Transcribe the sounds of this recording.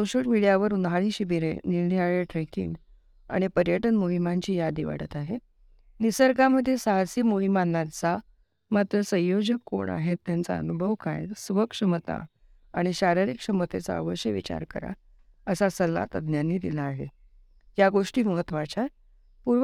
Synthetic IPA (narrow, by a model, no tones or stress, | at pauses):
soɕəlmiɽijaʋəɾunʱaɭiːɕibiɾḛnilniaɭeʈɾekḭŋɡ | a̰ɽ̃ipəɾjəʈənmoɦimaɲt͡ɕiːjad̪iʋa̰ʈət̪aɦe | nisəɾɡaməd̪ʱːjesaɦasiːmoɦimanːat͡sa | mat̪ɾəsə̃jjod͡ʑəkːo̰ɳa̰ɦet̪ːjant͡sa̰ə̰nubʱəʋkʰã̰jsʋəkʂəmət̪a̰ | aɽ̃iɕaɾiɾikʂəmət̪ʰet͡sa̰ə̰ʋəɕjəʋḭt͡ɕa̰ɾkəɾa̰ | əsasəlːa̰t̪ə̰d̪njanːiːd̪ilaːɦe | jaɡoʂʈiːmuɦət̪ʋat͡ɕa | puɾʋ